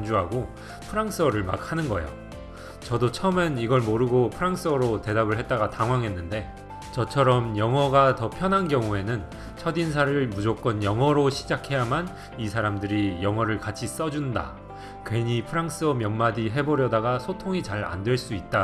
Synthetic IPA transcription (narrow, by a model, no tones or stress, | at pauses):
nd͡ʑuɦaɡo | pʰɯɾaŋs͈ɯʌɾɯɭma̰k̚hanɯnɡʌjo̰ | t͡ɕʌdot͡ɕʰʌmeniɡʌɭmoɾɯɡopʰɯɾaŋs͈ɯʌɾote̞dabɯɭɦe̞t̚t͈aɡataŋɦwaŋɦe̞nːɯnde̞ | t͡ɕʌt͡ɕʰʌɾʌmjʌŋʌɡatʌpʰjʌnɦankjʌŋue̞nɯn | t͡ɕʰʌdins̬ʰaɾɯɭmud͡ʑok͈̚ʌnjʌŋɦʌɾoɕʰid͡ʑakʰe̞jaman | isʰaɾamdɯɾijʌŋwʌɾɯɭkat͡ɕʰis͈ʌd͡ʑunda̰ | kwe̞ɲipʰɯɾaŋs͈ɯʌmjʌmmadiɦe̞boɾjʌdaɡasʰotʰoŋit͡ɕaɾa̰ndwe̞ɭs͈uit̚t͈a